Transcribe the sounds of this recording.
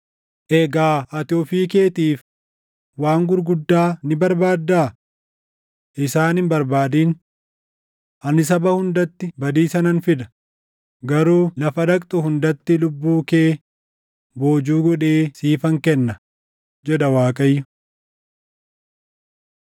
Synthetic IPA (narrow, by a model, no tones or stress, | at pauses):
ʔɛɡaːʔɐt̪ɪoːfiːke̞ːt̪iːf | waːŋɡʊɾɡʊd̪ːaːnɪbɐɾbaːd̪ːaː | ʔɪsaːnɪmbɐɾbaːd̪iːn | ʔɐnɪs̬ɐbɐhʊnd̪ɐt̪ːɪbɐd̪iːsɐnɐnfɪd̪ɐ̥ | ɡɐɾuːlɐfɐᶑ̪ɐkʼt̪ʼʊhʊnd̪ɐt̪ːɪlʊbːuːkeː | bo̞ːd͡ʒuːɡɔᶑeːsiːfɐŋkɛnːɐ | d͡ʒɛᶑɐwaːkʼɐjːʊ